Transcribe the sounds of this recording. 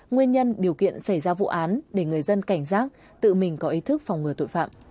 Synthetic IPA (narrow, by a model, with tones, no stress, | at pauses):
ŋwi˧ənɲə˧nɗi˨˩əwkḭ˧˨ənsa˧˩jzaː˧vṵ˧˨ʔaː˨˦nɗe˧˩ŋɨ˨˩əjzə˧nka˧˩jŋ̟zaː˦˥k̚ | t̪ɨ̰˧˨mï˨˩ŋ̟kɔ˨˦ʔi˨˦t̪ʰɨ˦˥k̚fwŋ͡mŋɨ˨˩ət̪o̰˧˨jʲfa̰ː˧˨mʔ